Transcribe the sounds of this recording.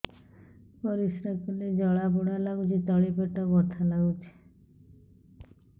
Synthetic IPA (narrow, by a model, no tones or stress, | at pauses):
pɔɾisɾakned͡ʒɔɭapuɽalaɡut͡ʃʰit̪ɔɭipeʈɔɡɔt̪ʰalaɡut͡ʃʰi̥